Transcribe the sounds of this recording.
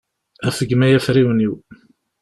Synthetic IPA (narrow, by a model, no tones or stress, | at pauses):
æfəɡmæjæfɾiwəniw